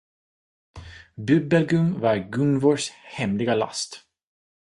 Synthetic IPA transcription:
bɵbɛlɡɵmvɑɾɡɵnvɔʂhɛmlɪɡala̰st̪

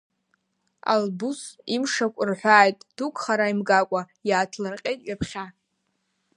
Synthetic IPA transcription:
a̰lbusimʂakʷʼʊrħʷaːjtʼd̥ukʰʼχaɾaimɡakʷʼa | jaːtʰlɨrqʲʼe̞jtʼɥapʰχʲa

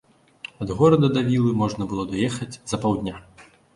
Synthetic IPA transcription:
ɐd̪ɣɔɾɐd̪ɐd̪ɐvʲilˠɨmɔʐnɐbɨlˠɔd̪ajɛxɐd͡zʲzɐpawd̪ʲnʲa

